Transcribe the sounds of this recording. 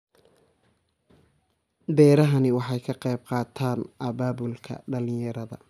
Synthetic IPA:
b̪ɛːɾɐɦɐnɪwɑħɑjkʰɐqɑjb̚qɑːt̪ʰaːnʔɐβaːβʊlkʰɐ̰ɖɐlɪjɐɾɐðɐ̰

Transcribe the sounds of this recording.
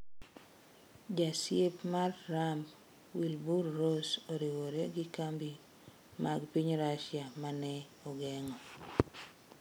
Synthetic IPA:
d͡ʒasepmarːamb | wilburːosoɾiwoɾeɡɪkambi | maɡpiɲɾaʃjamanɛ | ɔɡɛŋɔ

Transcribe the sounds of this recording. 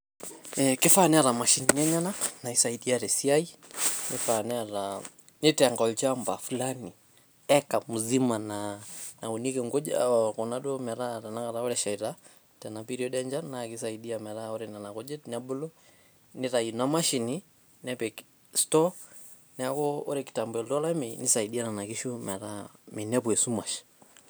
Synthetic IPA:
ɛkifanɛaɾamaʃiniɲaɲananaisaiɗiaɾɛsiainifanɛaɾa | nitaŋɡɔlt͡ʃambafulani | ɛkamuzimananaunikɛŋɡɔd͡ʒa̰kɔnaɗɔmɛɾaɾanaŋɡaɾaɔɾɛʃaiɾa | tɛnapiɾiɔɗɛaɲd͡ʒanaːkisaiɗiamɛɾaɔɾɛnanakɔd͡ʒɛtnabɔlɔ | niɾainamaʃini | nɛpɛk | stɔ | nɛakɔɔɾɛki̥tambɛldɔlaminisaiɗiananakiʃumɛɾaminɛpwɛsumaʃi̥

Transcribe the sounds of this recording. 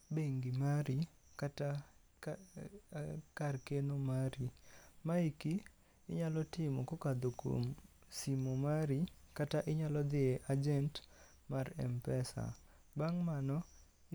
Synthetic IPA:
beŋɡimaɾi | kata | karkenomaɾimaiki | ɪ̰ɲalɔtɪmɔkokad̪oko̰msimomaɾikataʔɪɲalɔd̪ɪeʔad͡ʒɛnt | marɛ̰mpɛsa̰ | baŋmanɔ

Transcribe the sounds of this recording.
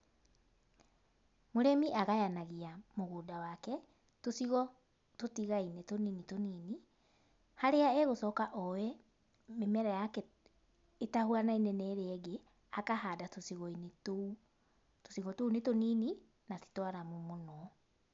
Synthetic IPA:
moɾɛmiʔaɣajanaɣiamoɣoːdawakɛ | tosiɣɔ | totiɣainetoniːnitoniːni | haɾeaɛɣosɔkaʔɔwɛ | memɛɾajakɛ | etahuanainɛnɛɾeːɡe | akahaːdatosiɣɔineto | to̥siɣɔtounetoniːni | nati̥twaɾamomonɔ

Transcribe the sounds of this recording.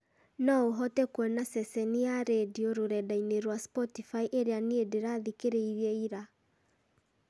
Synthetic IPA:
nɔoɦɔtɛkwɛnasɛsɛniaɾedioɾoɾɛdaineɾwaspɔtifaiʔeɾeaniedeɾaðikeɾeiɾiɛiɾa

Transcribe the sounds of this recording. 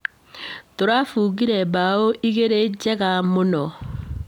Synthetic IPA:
toɾafuːɣiɾɛbaoʔiɣeɾed͡ʒɛɣamonɔ

